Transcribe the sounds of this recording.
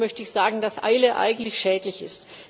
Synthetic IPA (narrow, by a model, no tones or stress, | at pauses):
mœçtəɪçz̥aːɡŋ̩dasʔa̰ɪləʔa̰ɪɡŋ̩tlɪçʃɛːtlɪçɪst